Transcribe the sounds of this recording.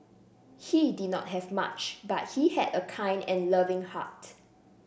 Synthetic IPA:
hidid̚ⁿnɔ̰t̚ɦɛvma̰t͡ʃbat̚hihɛ̰dəkʰãɪ̃ndɛ̃nləvɪ̃ŋha̰t

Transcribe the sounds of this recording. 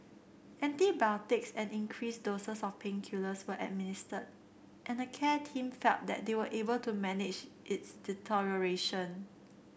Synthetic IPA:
ʔɛ̃ntibɛltɪksɛ̃nĩnkʰɹisdosəsɔfpʰẽŋkʰjuləswəʔɛ̰t̚mɪnɪstəd̚ | ʔɛ̃nəkʰɛtʰĩmfɛlt̚dɛ̰t̚dewəʔebəltumɛnɪd͡ʒʔɪtsd̥itʰɔɹəɹeʃə̃n

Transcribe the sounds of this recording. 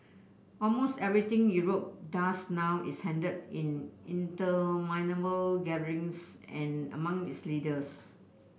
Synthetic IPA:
ɔlmostɛvɹit̪ɪ̃ŋjuɹop̚dasnawʔishɛ̃ndədĩnĩntəmãɪnəbəlɡɛdəɹĩŋsɛ̃nə̰mãŋitslidəs

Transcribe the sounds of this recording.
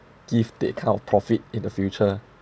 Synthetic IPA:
ɡ̥ivdiəkʰãnɔfpʰɹɔfit̚ĩndəfjut͡ʃə

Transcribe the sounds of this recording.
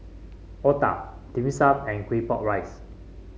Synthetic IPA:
ɔta̰dĩmisapɛ̃nkwepɔʔ̚ɹajs

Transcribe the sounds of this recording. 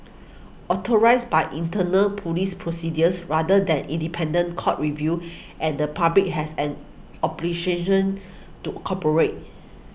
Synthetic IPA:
ʔɔtɔɹaɪsbajʔĩntənəlpʰulispʰɹosidjəsɹadədɛ̃nĩndipʰɛ̃ndə̃nkʰɔt̚ɹivju | ʔɛ̃ndəpʰablik̚hɛsɛ̃n | ɔplikeʃə̃n | tukʰɔpəɹet̚

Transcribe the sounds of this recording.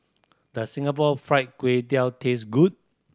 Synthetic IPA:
dəsĩŋap̬ɔfɹaɪt̚kwetialtʰesɡut̚

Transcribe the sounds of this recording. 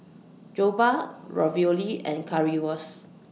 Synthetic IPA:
d͡ʒobaɹɔ̰violiɛ̰̃nkʰaɹiɔs

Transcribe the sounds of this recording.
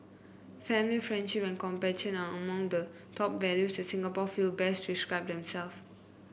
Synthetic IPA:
fɛ̃milifɹɛ̃ndʃipɛ̃nkɔ̃mpɛtə̃naəmãŋdə | tʰɔp̚vɛljusdɛtsĩŋɡapɔfilbɛstdiskɹaɪp̚dɛ̃msɛlf

